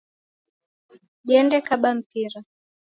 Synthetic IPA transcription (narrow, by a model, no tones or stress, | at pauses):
ʄɛndɛkaɓam̩piɾa